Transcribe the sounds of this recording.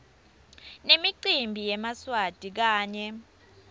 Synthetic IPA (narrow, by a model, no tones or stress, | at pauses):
nemiǀimbʱijɛmaswad̥ʱik̬aːɲɛ